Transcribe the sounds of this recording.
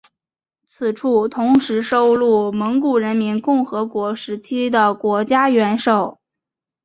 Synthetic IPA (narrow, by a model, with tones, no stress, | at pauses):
t͡sʰɹ̩˨˩ʈ͡ʂʰu˥˩t̪ʰʊ˧˥ŋʂɻ̩˧˥ʂo˥ʊlu˥˩mɤ˧˥ŋku˨˩ɻə˧˥nmi˧˥nkʊ˥˩ŋxɤ˧˥kwɔ˧˥ʂɻ̩˧˥t͡ɕʰi˥d̪ə˨kwɔ˧˥t͡ɕja˥ɥɛ˧˥nʂo˥˨˩ʊ